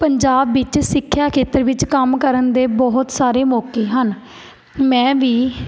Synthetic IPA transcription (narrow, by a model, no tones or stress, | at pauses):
pəɲd͡ʒaːbːɪt͡ʃsɪkʰːjaːkʰeːt̪əɾʋɪt͡ʃkəmkəɾənd̪eːbɔɦʊt̪saːɾeːmɔːkeːɦən | mɛ̃ːʋiː